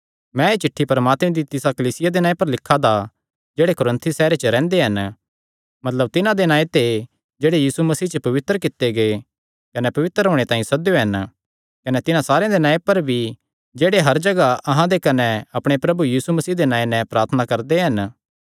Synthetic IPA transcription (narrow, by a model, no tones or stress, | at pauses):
mɛ̃et͡ʃɪʈʰːipɐɾəmaːt̪mẽd̪it̪ɪsakɐliːsɪjad̪enãːepɐɾlɪkʰːad̪a | d͡ʒeːɽekoɾə̃nt̪ʰisɛːɾet͡ʃəɾɛ̃ːnd̪eɦɐn | mɐt̪ləb̚t̪ɪnãd̪enãːet̪e | d͡ʒeːɽejiːsumɐsiːt͡ʃəpɐʋɪt̪ːəɾəkɪt̪ːeɡɐe | kɐnɛpɐʋɪt̪əɾɦoːɽ̃et̪aːĩsɐd̪joɦɐn | kɐnɛt̪ɪnãsaːɾejãd̪enãːepɐɾbʱi | d͡ʒeːɽeɦɐɾd͡ʒɐɡaʔɐɦãd̪ekɐnɛɐpɽ̃epɾɐbujiːsumɐsiːd̪enãːenɛ̃pɾaːɾt̪ʰənakɐɾd̪eɦɐn